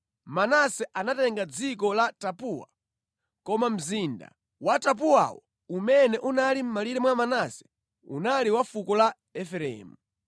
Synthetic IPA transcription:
manasɛʔanatɛŋɡad͡zikɔlatapuwa̰ | kɔmam̩zinda̰ | watap̬uwa̰wɔ | umɛnɛʔunalim̩maliɾɛmwamanasɛ̥ | ṵnaliwafukɔla | ɛfɛɾɛ̰ːmu

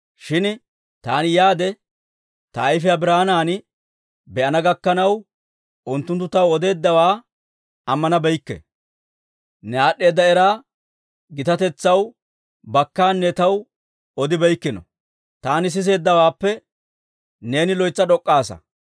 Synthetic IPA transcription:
ʃɪn | t̪aːnɪjaːd̪ɛ | t̪ɐːjfɛɐbɾaːnaːn | bɛʔɐnɐɡɐkːɐnɐw | ʔʊnt̪ːʊnt̪ːʊt̪ɐwɔd̪e̞ːd̪ːɐwaː | ɐmːɐnɐbɛjkːɛ̰ | nɛaːɗːe̞ːd̪ːɐɛɾaː | ɡɪt̪ɐt̪ɛt͡sːɐw | bɐkːaːnːɛt̪ɐw | ɔd̪ɪbɛjkːɪnɔ̰ | t̪aːnɪs̬ɪs̬e̞ːd̪ːɐwaːpːɛ | ne̞ːnɪlɔjt͡sːɐɗɔkʼːaːsɐ̰

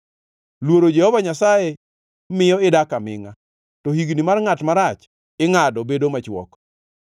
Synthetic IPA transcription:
lwoɾod͡ʒɛhɔvaɲasajɛ | mɪjɔɪdakamɪ̰ŋa | tɔhiɡnimarŋatmaɾat͡ʃ | ɪŋadɔbedomat͡ʃwɔ̰k

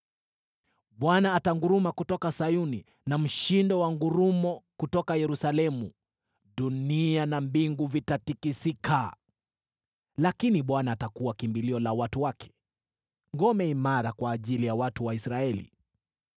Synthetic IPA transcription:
ɓwanaːtaŋɡuɾumakutɔkasajuni | nam̩ʃindɔwaŋɡuɾumɔkutɔkajɛɾusalɛmu | ɗunianambiŋɡuvitatikisikʰa | lakiniɓwanaːtakuwakimbiliɔlawatuwakʰɛ̥ | ŋɡɔmɛimaɾakwaːʄilijawatuwaisɾaɛlḭ

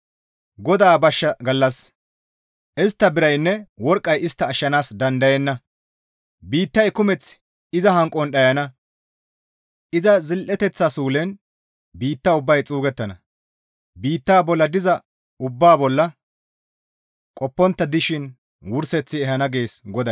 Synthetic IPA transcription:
ɡɔd̪aːbɐʃːɐɡɐlːɐs | ʔɛst̪ːɐbɪɾɐjnːɛwɔɾkʼːɐjɪst̪ːɐːʃːɐnaːsd̪ɐnd̪ɐjɛnːɐ | biːt̪ːɐjkʊmɛt͡sː | ɪzɐɦɐŋkʼɔnɗɐjɐnɐ | ʔɪzɐzɪlʔɛt̪ɛt͡sːaːsuːlɛn | biːt̪ːɐʊbːɐjt͡sʼuːɡɛt̪ːɐnɐ | biːt̪ːaːbɔlːɐd̪ɪzɐ | ʊbːaːbɔlːɐ | kʼɔpːɔnt̪ːɐd̪ɪʃɪn | wʊɾsɛt͡sːɪɛɦɐnɐɡe̞ːsɡɔd̪ɐ

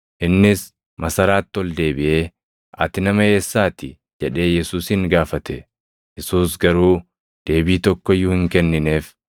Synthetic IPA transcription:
ʔɪnːɪs | mɐsɐɾaːt̪ːɪɔld̪e̞ːbɪʔeː | ʔɐt̪ɪnɐmɐe̞ːsːaːt̪ɪ | d͡ʒɛᶑe̞ːjɛsuːshɪŋɡaːfɐt̪ɛ | jɛsuːsɡɐɾuː | d̪̥e̞ːbiːt̪ɔkːɔjːʊhɪŋkɛnːɪne̞ːf

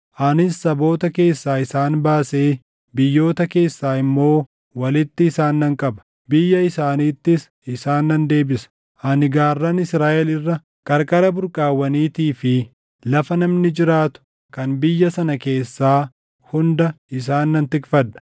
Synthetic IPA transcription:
ʔaːnɪsːɐbo̞ːt̪ɐke̞ːsːaːɪsaːnbaːse̞ː | bɪjːo̞ːt̪ɐke̞ːsːaːɪmːo̞ː | wɐlɪt̪ːɪːsaːnːɐŋkʼɐbɐ̥ | bɪjːɐɪsaːniːt̪ːɪs | ɪsaːnːɐnd̪e̞ːbɪsɐ̥ | ʔaːnɪɡaːrːɐnɪsɾaːʔɛlɪrːɐ | kʼɐɾkʼɐɾɐbʊɾkʼaːwːɐniːt̪iːfɪ | lɐfɐnɐmnɪd͡ʒɪɾaːt̪ʊ̥ | kɐnbɪjːɐsɐnɐke̞ːsːaː | hʊnd̪ɐɪs̬aːnːɐnt̪ɪkfɐᶑɐ̥

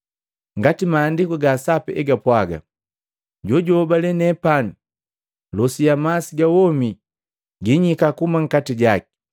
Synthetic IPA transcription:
ŋɡatimaːndikɔɡaːsapɛ̰ʔɛɡapwaɡa̰ | ɟɔɟɔbalɛnɛpani | lɔsijamasiɡawɔmi | ɡiɲikakumaŋ̩katiɟaki̥

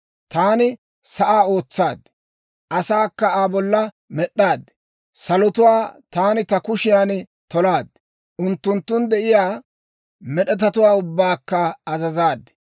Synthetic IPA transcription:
t̪aːnɪ | sɐʔaːo̞ːt͡sːaːd̪̚ | ʔɐsaːkːɐaːbɔlːɐ | mɛɗːaːd̪ | sɐlɔt̪ʊwaːt̪aːnɪt̪ɐkʊʃɪjaːn | t̪ɔlaːd̪̚ | ʔʊnt̪ːʊnt̪ːʊnd̪ɛʔɪjaː | mɛɗɛt̪ɐt̪ʊwaːʊbːaːkːɐɐzɐzaːd̪

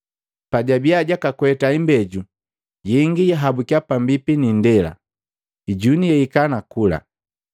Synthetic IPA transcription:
paɟabiaɟakakwɛtaimbɛɟu | jiŋɡijaɦabukiapambipinindɛla̰ | iɟunijɛikanakula̰

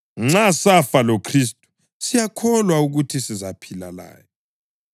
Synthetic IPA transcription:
ŋ͡ǁasafalokʰris̬tʼu̥ | sijakʰɔlwauɣutʰisizapʰila̰la̰ːjɔ

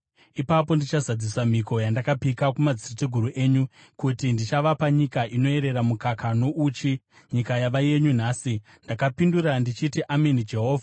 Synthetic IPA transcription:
ipapo̞ndit͡ʃazad͡zisamiko̞jandakapikakumad͡ziitiɡʱuɾuʔe̞ːɲu | kutindit͡ʃaʋapaɲikaʔino̞e̞ɾe̞ɾamukakʰano̞ʔuːt͡ʃi | ɲikajaʋaje̞ɲun̤aːsi | ndakapinduɾandit͡ʃitiʔamenid͡ʒe̞ɦo̞ːvʱa

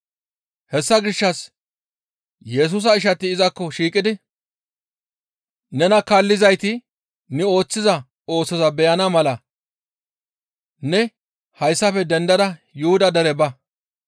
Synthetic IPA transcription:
hɛsːɐɡɪʃːɐs | jɛs̬ʊs̬ɐɪʃ̬ɐt̪ːɪːzɐkːɔʃiːkʼɪd̪ɪ | nɛnɐkalːɪzɐjt̪ɪ | nɛo̞ːt͡sːɪzɐ | o̞ːsɔzɐbɛjɐnɐmɐlɐ | nɛ | hɐjsːɐfɛd̪ɛnd̪ɐd̪ɐjʊhʊd̪ɐd̪ɐɾɛbɐ

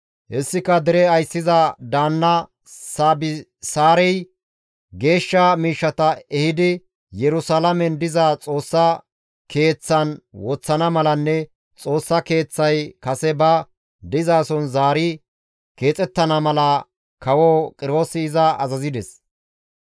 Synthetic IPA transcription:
hɛsːɪkɐd̪ɛɾɛɐjsːɪzɐd̪aːnːɐ | sabɪ | saːɾɛj | ɡe̞ːʃːɐmiːʃːɐt̪ɐɛhɪd̪ɪ | jɛɾʊsalɐmɛnd̪ɪzat͡sʼo̞ːsːɐ | kʰe̞ːt͡sːɐnwɔt͡sːɐnɐmɐlɐnːɛ | t͡sʼo̞ːsːɐke̞ːt͡sːɐjkɐsɛbɐ | d̪ɪzaːsɔnzaːɾɪ | ke̞ːt͡sʼɛt̪ːɐnɐmɐlɐ | kɐwoːkʼɪɾo̞ːsɪːzɐɐzɐzɪd̪ɛs

